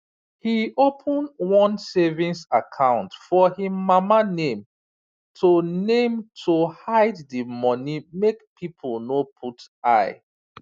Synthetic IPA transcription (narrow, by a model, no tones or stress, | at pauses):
hiopʰə̃ndwɔ̃nsɛvĩnsakʰãʊ̃ntfɔhimamanẽm | tʰonẽmtʰohaɪddimɔnimekpʰipʰəlˠnopʰut | aɪ